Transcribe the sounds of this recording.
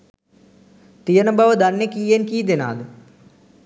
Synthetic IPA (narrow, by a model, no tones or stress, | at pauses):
t̪ijɐnɐbɐʋɐd̪ɐnːekiːjenkiːd̪ena̰ːd̪ɨ